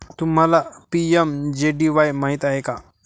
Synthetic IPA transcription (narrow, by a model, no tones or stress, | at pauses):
t̪um̤alapiemd͡ʑeɖiʋajmaɦit̪aɦeka